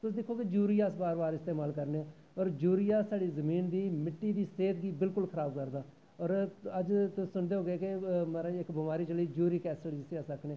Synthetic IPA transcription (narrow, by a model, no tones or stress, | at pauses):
t̪ʊsd̪ɪkʰːoːkɪd͡ʒuːɾiːaːsbaːɾbaːɾɪst̪eːmaːlkəɾneː | ɔːɾd͡ʒuːɾijaːsaːɽiːzəmiːnd̪iːmɪʈːiːd̪iːseːt̪ɡiːbɪlkʊlkʰəɾaːb̚kəɾd̪aː | ɔːɾəd͡ʒt̪ʊsːʊɳd̪eːɦoːɡeːkɪmːɾãɪkbəmaːɾiːt͡ʃəliːd͡ʒuːɾiːkɛːsəɽid͡ʒɪseaːsəkʰneː